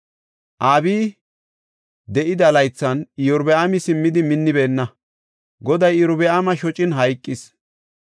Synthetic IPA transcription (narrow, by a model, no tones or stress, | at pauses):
ʔaːbiː | d̪ɛʔɪd̪ɐlɐjt͡sːɐnɪjɔɾbɛamɪsɪmːɪd̪ɪmɪnːɪbeːnːɐ | ɡɔd̪ɐjɾbɛamɐʃɔt͡ʃʼɪnɦɐjkʼːɪs